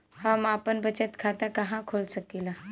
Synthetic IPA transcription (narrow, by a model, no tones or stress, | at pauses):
hamaːpənbət͡ɕət̪kʰat̪akaɦãkʰolsəkila